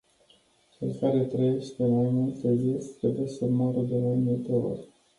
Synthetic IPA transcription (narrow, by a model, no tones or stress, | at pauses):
t͡ʃefaɾet̪ɾejʃpemajmult̪əzist̪ɾebujesəmaɾəd̪emajmult̪eo̰rʲ